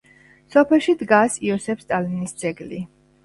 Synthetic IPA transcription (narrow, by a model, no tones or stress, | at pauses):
sɔpʰɛlˠʃid̪ɡasiɔsɛpst̪ʼalinisd̪z̥ɛɡli